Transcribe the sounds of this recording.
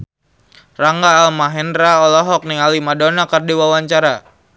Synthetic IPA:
raŋɡaːlmaɦɛnɾaɔlɔɦɔk̚niŋalimadonakərdiwawaɲt͡ʃaɾa

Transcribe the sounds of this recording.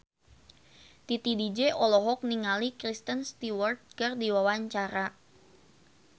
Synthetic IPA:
t̪it̪idid͡ʒeʔɔlɔɦɔk̚niŋalikɾist̪ənst̪iwɔrt̪̚kərdiwawaɲt͡ʃaɾa

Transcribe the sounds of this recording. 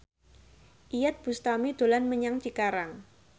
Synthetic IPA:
ʔijat̪̚b̥ust̪amid̪̥o̤lanməɲaŋt͡ʃikaɾaŋ

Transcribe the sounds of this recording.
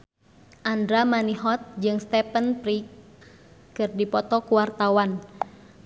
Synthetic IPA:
ʔandɾamaniɦɔt̪̚d͡ʒɨŋst̪ɛpənpɾik | kɨrdipɔt̪ɔkuwart̪awan

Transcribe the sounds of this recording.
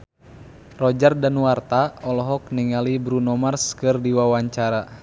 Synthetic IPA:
rɔd͡ʒardanwart̪aɔlɔɦɔk̚niŋalibɾunɔmarskɨrdiwawaɲt͡ʃaɾa

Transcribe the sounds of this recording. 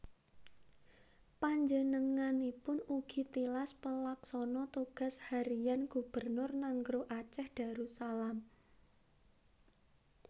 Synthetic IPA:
paɲd͡ʒənəŋanipʊnuɡ̥i̤t̪ilaspəlaksɔnɔt̪uɡ̥a̤shaɾijanɡ̥ub̥ərnʊrnaŋɡɾuʔat͡ʃɛhd̥a̤ɾusalam

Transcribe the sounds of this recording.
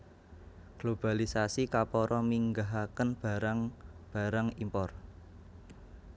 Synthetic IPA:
ɡ̥lob̥a̤lisasikapɔɾɔmiŋɡaɦakənb̥a̤ɾaŋb̥ä̤ɾaŋimpɔr

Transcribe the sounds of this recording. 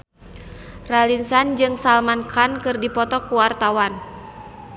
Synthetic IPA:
ralinsand͡ʒɨŋsalmankʰankɨrdipɔt̪ɔkuwart̪awan

